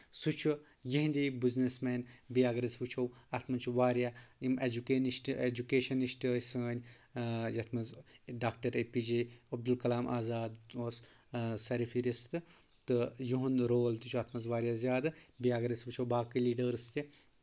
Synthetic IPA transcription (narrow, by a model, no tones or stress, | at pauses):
sut͡ʃʰu | jiɦnd̪iːbiznesmeːnbijaːɡɐɾɐsʋut͡ʃʰowɐt̪ʰmɐnt͡ʃʰuʋaːɾjaimed͡ʒukeniʃʈed͡ʒukeːʃɐniʃʈːsɨɐnʲ | jɐt̪ʰmɐnzɖaːk̚ʈɐɾepid͡ʒiːɐb̚d̪ulkɐlaːmaːzaːd̪ossɐɾifiɾist̪ɨ | t̪ɨjuɦunɾoːlt̪ut͡ʃʰuɐt̪ʰmɐnzʋaːɾjaːzʲjaːd̪ɨbijaːɡɐɾɐsʋut͡ʃʰowbaːkiliːɖɐɾst̪i